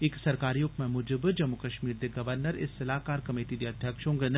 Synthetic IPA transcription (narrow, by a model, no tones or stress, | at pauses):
ɪksɐɾkaːɾiːʊpmẽmʊd͡ʒɪbd͡ʒɐmːukɐʃmiːɾd̪eɡɐʋəɾnəɾɪ̰sːɐlaːkaːɾkɐmeːʈid̪iɐd̪ʱjəkʃõŋɡən